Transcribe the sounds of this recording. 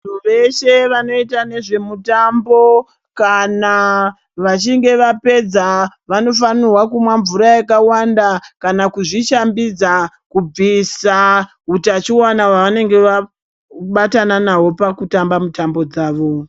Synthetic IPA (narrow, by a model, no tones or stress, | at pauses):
oʋeʃe̞ʋano̞itane̞ʐe̞mutambo̞ | kana | ʋat͡ʃiŋɡe̞ʋape̞d͡zaʋano̞f̬anirwakumwaɱvuɾajakawandakanakuʐiʃambid͡za | kub͡visa | utat͡ʃiwanawaʋane̞ŋɡe̞ʋa | ɓatananawo̞pakutambamutambo̞d͡zaːʋo̞